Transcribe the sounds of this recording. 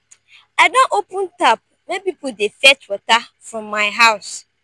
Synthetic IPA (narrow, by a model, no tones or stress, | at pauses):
adɔ̃ʔopʰə̃ntʰap̚ | nãpipʊdefɛt͡ʃwɔta | fɹɔ̃mːaɪɦaʊs